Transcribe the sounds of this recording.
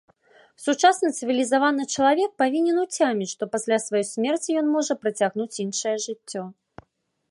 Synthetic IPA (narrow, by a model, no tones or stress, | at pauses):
sut͡ʂasnɐt̪sɨvʲilʲizavanɨt͡ʂɐlˠavʲɛk̚pavʲinʲɛnut͡sʲamʲit͡sʲʂt̪ɔpasʲlʲasvajɔjsʲmʲɛrt͡sʲijɔnmɔʐɐpɾɐt͡sʲaɣnut͡sʲinʂɐjɛʐɨt͡sʲːɔ